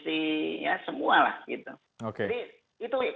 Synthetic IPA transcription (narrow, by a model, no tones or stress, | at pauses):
sijasəmuala̰hɡit̪u | okeadi | it̪u